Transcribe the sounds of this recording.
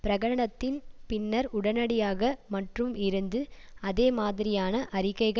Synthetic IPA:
pɪɾɐɣɐɽɐɳɐt̪ːɪnpɪnːɐɾʊɽɐnɐɽɪjaːɣɐmɐʈrɯmɪɾɯnd̪ɯɐðeːmaːðɪɾɪjaːnɐʔɐɾɪɣɐɪɣɐ

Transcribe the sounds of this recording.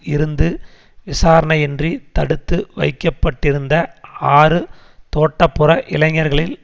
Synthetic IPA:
ɪɾɯnd̪ɯ | ʋɪsaːɾɐɳɐɛndrit̪ɐɽɯt̪ːɯʋɐ̰ɪkːɐpːɐʈːɪɾɯnd̪ɐaːrɯ | t̪oːʈːɐpːɯrɐʔɪlɐŋːɐɾɣɐɭɪl

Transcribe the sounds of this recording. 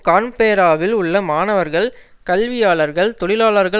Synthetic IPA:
kaːnpeːɾaːʋɪlʊɭːɐmaːnɐʋɐɾɣɐɭ | kɐlʋɪjaːɭɐɾɣɐɭt̪ɔɭɪlaːɭɐɾɣɐ

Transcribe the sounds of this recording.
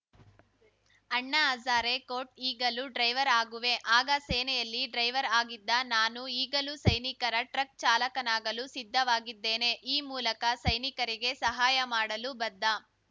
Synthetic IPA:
ɐɳːɐaːd͡ʒaːɾekoːʈiːɡɐluɖɾɐjʋɐɾaːɡuʋe̞ʔaːɡɐsɛːnɛjɐlːiɖɾɐjʋɐɾaːɡid̪ːɐnaːnuiːɡɐlusɐjnikɐɾɐʈɾɐk̚t͡ʃaːlɐkɐnaːɡɐlusid̪ʱːɐʋaːɡid̪ːeːne̞ʔiːmuːlɐkɐsɐjnikɐɾiɡe̞sɐɦaːjɐmaːɽɐlubɐd̪ːɐ

